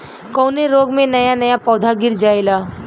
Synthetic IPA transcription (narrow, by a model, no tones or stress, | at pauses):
kɔʊneɾoːɡmẽnɐjanɐjapɔːd̪ʱaɡɪɾd͡ʒaːelaː